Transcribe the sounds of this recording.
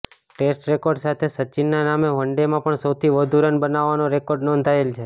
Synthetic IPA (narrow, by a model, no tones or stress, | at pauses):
ʈesʈɾekoɾɖsat̪ʰesət͡ʃinːanameʋəɳɖemãpəɳsəwt̪ʰiʋəd̪ʱuɾənbənaʋːanoɾekoɾɖnɔ̃nd̪ʱaelt͡ʃʰe